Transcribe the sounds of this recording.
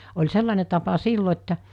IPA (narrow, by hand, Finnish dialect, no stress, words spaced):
olʲ selːɑne tɑpɑ silːo etːæ